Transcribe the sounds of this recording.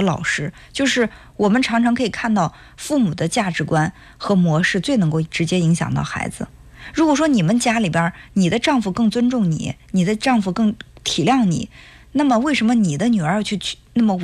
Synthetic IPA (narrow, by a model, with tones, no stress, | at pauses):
lɑ̰˨˩ʊʂɻ̩˥ | t͡ɕjo˥˧ʊʂɻ̩˥˩ | wɔ˨˩mə˦nʈ͡ʂʰɑ˧˥ŋʈ͡ʂʰɑ˧˥ŋkʰɤ˧˥i˨˩kʰa˥˧nt̪ɑ˥˩ʊ | fu˥˩mu˨˩d̪ə˦t͡ɕja˥˩ʈ͡ʂɻ̩˧˥kwa˥n | xɤ˧˥mwɔ˧˥ʂɻ̩˥˧t͡swe˥˩ɪnɤ˧˥ŋko˥˩ʊ˩ʈ͡ʂɻ̩˧˥t͡ɕjɛ˥i˧˥ŋɕjɑ̰˨˩ŋt̪ɑ̰˥˩ʊxa̰˧˥ɪd͡zɹ̩̰˧ | ɻu˧˥kwɔ˨˩ʂ̬wɔ˥ni˨˩mə˦nt͡ɕja˥li˨˩pjə˧˥ni˨˩d̪ə˦ʈ͡ʂɑ˥˧ŋfu˧˩kɤ˥˩ŋt͡swə˥nʈ͡ʂʊ˥˩ŋnḭ˨˩˦ni˨˩d̪ə˦ʈ͡ʂɑ˥˧ŋfu˧˩kɤ˥˩ŋt̪ʰi˨˩ljɑ˥˩ŋnḭ˨˩˦ | na˥˩mə˩we˥˩ɪʂə˧˥nmə˧ni˨˩d̪ə˦ny˨˩ə˞˧˥˧t͡ɕʰy˥˧t͡ɕna˥˩mə˩